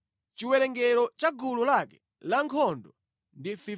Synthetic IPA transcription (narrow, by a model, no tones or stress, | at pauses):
t͡ʃiwɛɾɛŋɡɛɾɔt͡ʃaɡululakɛ̥ | laŋkʰɔndɔ | ndifi